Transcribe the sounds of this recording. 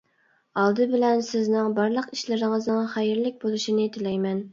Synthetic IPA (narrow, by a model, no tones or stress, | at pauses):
ɑlˠd̪ɨbɪlɛnsɪznɪŋbɑɾlˠəqi̥ʃlɪɾɪŋəznɨŋχæjɪɾlɪk̚ʲbolˠuʃinɨt̪ʰɪlɛjmɛn